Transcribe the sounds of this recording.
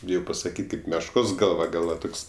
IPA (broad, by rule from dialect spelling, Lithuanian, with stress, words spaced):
ˈbʲɪjɛʊ pɐsɐˈkʲiːtʲ ˈkɐɪp mʲɛʃˈkoːs ˈɡɐlˠʋɐ ˈɡɐlˠ ʋɐ ˈtoːks